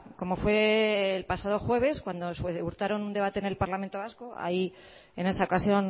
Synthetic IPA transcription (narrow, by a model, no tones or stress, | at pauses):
ko̞mo̞fwe̞ːlpasaðo̞xwe̞β̞e̞skwand̪o̞seuɾt̪aɾo̞nund̪e̞βat̪e̞ne̞lpaɾlament̪o̞βaskoʔa̰i | e̞ne̞sao̞kasjo̞n